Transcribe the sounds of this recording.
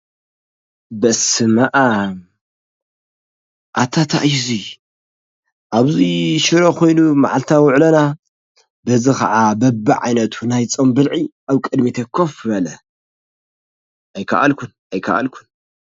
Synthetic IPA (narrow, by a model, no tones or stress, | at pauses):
bɐsɨmaʔam | ʔat̪ʰat̪ʰa̰ʔjzi | ʔaβziʃɨɾokʰo̞jnumaʕalt̪ʰawʊʕlɐna | bɐzikɐ̰ʕabɐbːɨʕa̰jnɐt̪ʰunajt͡sʼombɨlʕiʔaβkʼɨd̪mit̪ʰɐkʰːofɐlɐ | ʔajkʰɐ̰ʔa̰lkʰunʔajkʰɐ̰ʔa̰lkʰun